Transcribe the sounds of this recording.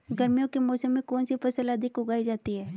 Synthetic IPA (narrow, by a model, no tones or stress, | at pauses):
ɡɐɾmijõkemɔːsəmːẽkɔːnsipɐsəlɐd̪ʱɪkʊɡaːid͡ʒaːt̪iɦɛː